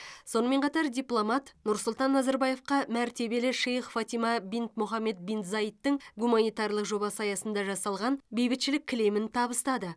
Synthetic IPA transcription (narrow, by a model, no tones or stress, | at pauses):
so̞nəme̞ɴqʰɑt̪ɑɾd̪ʲijplˠomɑt̪nʊɾsʊlˠt̪ɑnːɑzɑɾbɑje̞fqɑmæɾt̪e̞be̞lɪʃejχfat̪ijmɑbint̪mʊχɑmːe̞t̪̚bint̪zɑjit̪ːəɴɡumanijt̪ɑɾlˠəqʒo̞bɑsɑjɑsənd̪ɑʒɑsɑlˠʁɑnbejbɪt̪ʃɪlɪkʲʰːɪle̞mɪnt̪ʰɑbəst̪ɑd̪ə